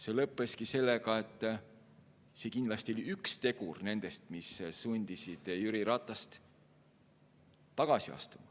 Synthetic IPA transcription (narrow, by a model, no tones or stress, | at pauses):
se̞lɤpːˑe̞skise̞lːekɑe̞t̪ˑː | se̞kind̪lɑst̪io̞lʲiykst̪e̞ɡurne̞nd̪̥e̞st̪missunʲd̪̥isid̪̥jyɾiɾɑt̪ˑːɑst̪ | t̪ːɑɡ̥ɑsiɑ̰st̪umɑ